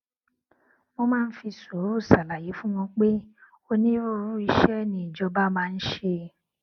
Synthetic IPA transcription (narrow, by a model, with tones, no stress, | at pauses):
mo˧mãː˦˧n̩˦fi˧so˨˦ɾo˦˨sa˨la˨je˨˦fũ˦w̃ɔ̃˧k͡pe˦ | o˦nĩ˦ɾo˦ɾu˦i˧ʃɛ˦nĩ˧˦i˨d͡ʒɔ˧ba˦mãː˦˧n̩˦ʃe˧